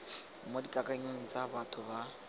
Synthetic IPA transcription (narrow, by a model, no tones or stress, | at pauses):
modikʼakʼaiɲoŋ̩t͡sʼabatʰʊba